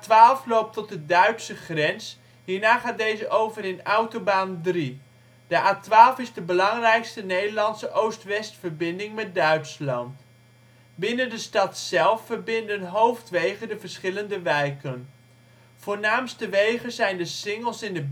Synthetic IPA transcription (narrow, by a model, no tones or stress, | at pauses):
tʋaːlˠflowp̚tɔt̚dədœɥtsəχrɛns | ɦiːɹnaːχaːt̚dejzəʔowvəɾɪnʌwtobaːndri | d̥əʔaːtʋaːlˠfɪzdəbəlɑŋrɛjkstənejdəɹlɑnsəʔowstʋɛstfəɹbɪndɪŋmɛt̚dœɥtslɑnt | bɪnəndəstɑtsɛlˠfːəɹbɪndənɦowftʋejχədəvəɹsχɪləndəʋɛjkən | foːɹnaːmstəʋejχəzɛjndəsɪŋəlˠsɪndə